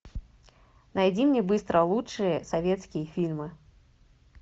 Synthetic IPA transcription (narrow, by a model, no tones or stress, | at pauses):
najd͡zʲimnʲibɨst̪ɾʔɐlˠutt͡ʂɨjɐsavʲɛt̪skʲijɐfʲilʲmɨ